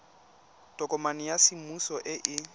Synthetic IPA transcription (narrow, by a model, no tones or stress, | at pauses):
d̥ɔkʼɔmanɪjasɪmusɔʔɪʔɪ